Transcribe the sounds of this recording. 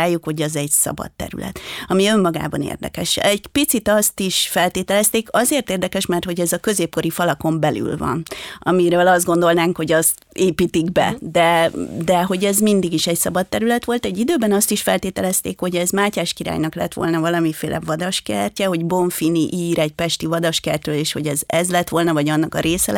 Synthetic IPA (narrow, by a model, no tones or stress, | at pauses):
aːjːukho̞ɟɛzɛɟsɒ̰bɒ̰t̪ːɛ̰ɾy̰lɛ̰t̪ɒmiø̞mːɒɡa̰ːbɒnḛːrd̪ɛ̰kɛʃɛɟpit̪sit̪ɒst̪iʃfɛlt̪eːt̪ɛlɛst̪eːkɒzeːrt̪eːrd̪ɛkɛʃmɛrt̪ho̞ɟɛzɒkø̞zeːp̚ko̞ɾifɒlɒko̞mbɛly̰lvɒ̰nɒmiɾøːlɒzd̪ɡo̞nd̪o̞lnaːŋkho̞ɟɒst̪eːpiːt̪iɡbɛ̰d̪ɛd̪ɛɦo̞ɟɛzmind̪iɡiʃɛcsɒbɒt̪ːɛɾylɛt̪ʋo̞lt̪ɛɟːid̪øːbɛnɒst̪iʃfɛ̰lt̪eːt̪ɛlɛst̪eːkho̞ɟɛzmaːcaːʃkiɾa̰ːjnɒklɛ̰t̪ʋo̰lnɒvɒlɒmifḛːlʔɛ̰vɒd̪ɒʃkɛ̰rcɛɦo̞ɟbo̞ɱfiniʔiːɾɛɟ̚pɛʃt̪ivɒd̪ɒʃkɛrt̪røːleːʃho̞ɟɛzɛzlɛt̪ʋo̞lnɒvɒɟɒnːɒkɒɾeːsɛl